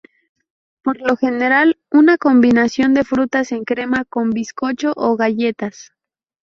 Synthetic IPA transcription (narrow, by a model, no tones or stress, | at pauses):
po̞ɾlo̞xe̞ne̞ɾal | unako̞mbinasjo̞nd̪e̞fɾut̪ase̞ŋkɾe̞mako̞mbisko̞t͡ʃo̞ʔoɣaʝe̞t̪as